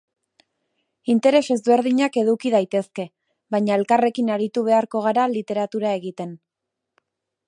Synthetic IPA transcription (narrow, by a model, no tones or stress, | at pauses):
int̪e̞ɾe̞se̞zβe̞ɾðiɲake̞ðukið̞ajt̪e̞ske̞ | βajɲae̞lkare̞kinaɾit̪uβ̞e̞aɾko̞ɣ̞aɾalit̪e̞ɾat̪uɾae̞ɣit̪e̞n